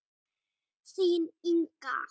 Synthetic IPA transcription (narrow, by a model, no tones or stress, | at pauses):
siniŋka̰